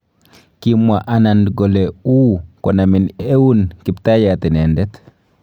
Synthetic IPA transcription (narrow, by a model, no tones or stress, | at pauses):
kimːwaʔanandɡɔlɛukɔnaminewunkiptajatɛnɛndɛt